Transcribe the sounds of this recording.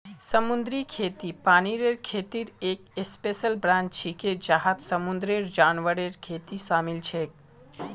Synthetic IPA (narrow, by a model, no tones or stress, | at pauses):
səmund̪ɾikʰet̪ipaniɾeɾkʰet̪iɾekespesəlbɾãnt͡ʃt͡ʃʰiked͡ʒaɦat̪səmund̪ɾeɾd͡ʒanʋəɾeɾkʰet̪isamilt͡ʃʰek̚